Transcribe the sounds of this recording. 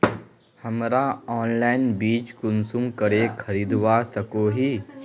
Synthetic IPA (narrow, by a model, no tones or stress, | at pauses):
hɐmɾaɔːnlaːɪnbiːt͡ʃkʊnsʊmkəɾekʰɐɾiːd̪wasəkoːɦiː